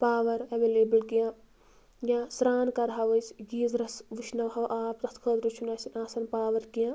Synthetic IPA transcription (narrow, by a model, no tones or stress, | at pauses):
paːʋɐɾɐʋeːleːbəlkijãː | jãːsɾaːnkɐɾɦaːʋɐjsɡiːzɾɐsʋiʃʰnɐwɦɐwʔaːpt̪ɐt̪ʰkʰɐd̪ɾut͡ʃʰunaːsinaːsɐnpaːʋɐɾkijãː